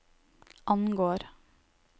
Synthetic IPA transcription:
ʔɑnɡoːɾ

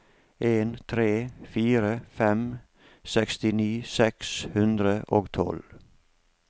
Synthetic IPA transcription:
ʔeːnt̪ʰɾeːfiːɾəfɛm | sɛkst̪ɪniːsɛkshʉnd̪ɾəʔoːɡt̪ʰɔ̰l

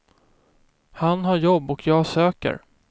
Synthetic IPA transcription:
hanɦaɾjɔbːɔkʰjɑːɡsøːkə̰ɾ

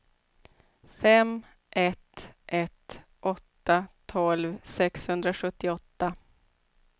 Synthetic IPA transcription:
fɛm | ʔɛt̪ʔɛt̪ | ʔɔt̪ːat̪ʰɔlvsɛkshɵnd̪ɾaɧɵt̪ːɪɔt̪ːa

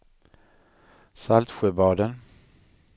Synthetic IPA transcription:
salt̪ɧøːbɑːd̪ən

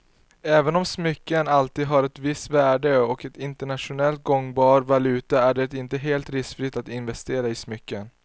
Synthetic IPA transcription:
ɛːvənɔmsmʏkːənalt̪iːd̪ɦaɾɛt̪vɪst̪væːɖəɔkɛt̪ɪnt̪əɳat̪ʂʊnɛlt̪̚ɡɔŋbɑːɾvalʉ̟ːt̪aæɖɛɛt̪ɪnt̪əɦeːlt̪ɾɪskfɾɪt̪at̪ɪnvɛst̪eːɾaɪsmʏkːən

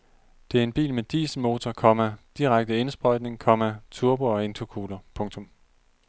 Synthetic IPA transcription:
d̥e̝æɐe̝nb̥ḭːlmed̥ḭːs̩mo̝ːt͡sʰɒkʰɒ̽mæd̥iʁaɡ̥̚d̥əe̝nsb̥ʁɒ̽ɪ̰d̥ne̝ŋkʰɒ̽mæt͡sʰuɐb̥oɒe̝nt͡sʰokʰuːlɐpʰɔ̽ŋt͡sʰɔ̽m

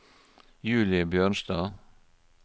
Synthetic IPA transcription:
jʉːlɪbjøːɳsd̪ɑː

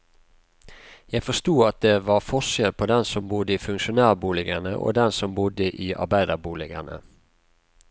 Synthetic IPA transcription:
jæɪfɔst̪uːɑt̪̚d̪eːʋɑʁfɔʃjɛlpʰoːd̪ɛnsɔmbʊd̪əiːfʉŋʃʊnæːʁbuːlɪɡənəʔo̰ːd̪ɛnsɔmbʊd̪əʔiːʔɑ̰ɾbæɪd̪ɑbuːlɪɡənə̰

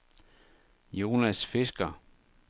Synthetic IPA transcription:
jo̝ːnæsfe̝sɡ̥ɐ

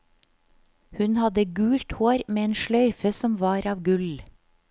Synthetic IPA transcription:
hʉnhɑd̪əɡʉːlt̪hoːɾmeːeːnʃɭœʏfəsɔmʋɑːɾɑːʋɡʉl

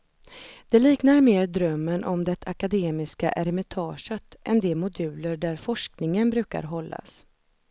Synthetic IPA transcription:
d̪̥ɛliːknaɾmeːɾd̪ɾœmːənʔɔmd̪ɛt̪ʰakad̪eːmɪska̰ʔɛɾɛmɪt̪ʰɑːʂət̪ʔɛnd̪ɛmʊd̪ʉ̟ːləɖæɾfɔʂknɪŋənbɾʉ̟ːka̰ɾɦɔlːa̰s

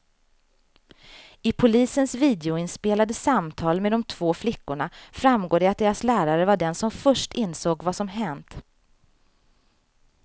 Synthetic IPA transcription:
ɪpʰʊliːsənsviːd̪ɛʊɪnspeːlad̪əsamt̪ʰɑːlmed̪ɔmt̪ʰv̥oːflɪkːʊɳafɾamɡoːɖ̪ɛat̪̚d̪eːɾaslæːɾaɾəvaɖɛnsɔmfœʂʈɪnːsoːɡvasɔmɦɛnt̪

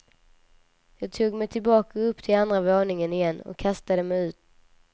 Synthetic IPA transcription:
jɑːɡt̪ʰuːɡmɛjt̪ʰɪlbɑːkaɵpːt̪ʰɪland̪ɾavoːɳɪŋənɪjɛnːɔ̰kʰːast̪ad̪əmɛjʉ̟ːt̪̚

